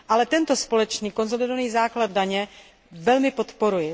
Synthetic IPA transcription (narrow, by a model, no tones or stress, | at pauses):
ʔalɛt̪ɛnt̪o̞spo̞lɛt͡ʃniːko̞nzo̞lɪdovaniːzaːklad̪̚daɲɛ | vɛlmɪpo̞t̪po̞ɾujɛ